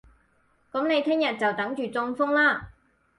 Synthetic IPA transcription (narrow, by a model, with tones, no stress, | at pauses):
kʊ˨˥mne˨˧jt̪ʰɪ˥ŋjɐ˨t̚t͡sɐ˨wt̪ɐ˨˥ŋt͡ʃyː˨t͡sʊ˧ŋfʊ˥ŋlaː˥